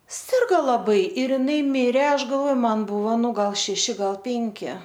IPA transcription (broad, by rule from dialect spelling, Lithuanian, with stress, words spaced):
ˈsʲɪrɡoː lˠɐˈbɐɪ ɪr ɪˈnɐɪ ˈmʲɪrʲɛ ˈɐʃ ɡɐlˠʋoːj ˈmɐn ˈbʊʋoː ˈnʊ ˈɡɐlˠ ʃʲɛˈʃʲɪ ˈɡɐlˠ ˈpʲɪŋʲkʲɪ